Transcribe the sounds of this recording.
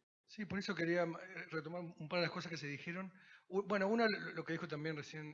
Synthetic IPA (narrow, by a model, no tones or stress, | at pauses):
sipo̞ɾe̞so̞ke̞ɾiaret̪o̞maɾuumpaɾð̞elahko̞s̬askes̬eðixeɾo̞nubwenounalolokeðixo̞t̪ambjenresjen